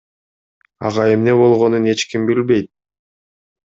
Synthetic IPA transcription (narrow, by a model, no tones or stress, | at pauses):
ɑ̰ʁɑe̞mne̞βo̞lˠʁonune̞t͡ʃkimbilbe̞jt̪̚